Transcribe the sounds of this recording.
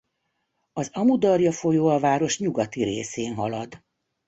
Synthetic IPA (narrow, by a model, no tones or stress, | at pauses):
ɒzɒmud̪ɒrjɒfo̞joːɒvaːɾo̞ʃɲuɡɒt̪iɾeːseːnɦɒlɒd̪